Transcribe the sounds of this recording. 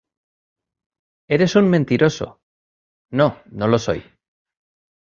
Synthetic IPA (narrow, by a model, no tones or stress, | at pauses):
e̞ɾe̞summẽnt̪iɾʔo̞so̞̰ | no̞nolo̞so̞̰j